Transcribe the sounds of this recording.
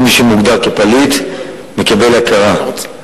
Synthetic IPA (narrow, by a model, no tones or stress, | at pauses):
miʃemuɡd̪aʁkepalit̪ | mekabe̞lakaʁa